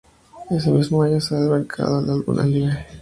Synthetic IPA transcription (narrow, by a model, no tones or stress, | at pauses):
e̞s̬emizmoaɲoseaðeβaŋkʰa̰ðolalɣṵnʔa̰liɣa